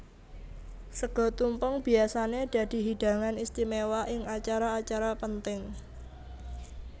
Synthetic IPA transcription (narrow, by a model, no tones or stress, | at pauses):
səɡ̥ɔ̤t̪umpəŋb̥i̤asaneɖ̥a̤d̪̥i̤ɦid̥ä̤ŋanist̪imewaʔɪŋat͡ʃaɾaːt͡ʃaɾapənt̪ɪŋ